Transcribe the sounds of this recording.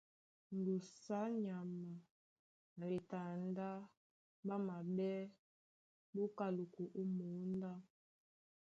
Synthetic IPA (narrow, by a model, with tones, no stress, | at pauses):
n˨ɡu˨sa˦ɲa˨ma˨ | n˨ɾi˨ta˨n˦da˦ | ba˦ma˨bɛ˦ | bo˦ka˨lu˨ku˨ʔu˦mu˨˦n˦da˦